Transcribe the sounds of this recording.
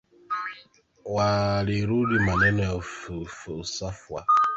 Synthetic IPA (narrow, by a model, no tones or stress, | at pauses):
waliɾulimanɛnɛfufusafwa